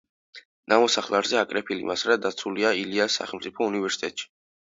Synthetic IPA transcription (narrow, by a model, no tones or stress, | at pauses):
namɔsaχlˠaɾzɛakʼɾɛpʰilḭmasɾad̪at̪sʰuliailiasːa̰χɛlˠmt̪sʼipʰɔunivɛɾsi̥t̪ʼɛ̰t̪ʼʃi̥